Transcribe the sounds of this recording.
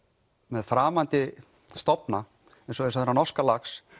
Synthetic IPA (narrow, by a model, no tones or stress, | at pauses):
mɛðfɾaːmant̪ɪ | st̪ɔpna | ɛnsɔɛsɔθɛɾanɔr̥skalaks